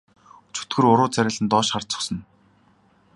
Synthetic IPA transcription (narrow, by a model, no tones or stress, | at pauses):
t͡ɕʰu̥t̪ɡɘ̆rʊɾʊːt͡sæɾʲăɮɘ̆nt̪ɔːʃχar̥t͡sʊ̥̆χsɞ̆n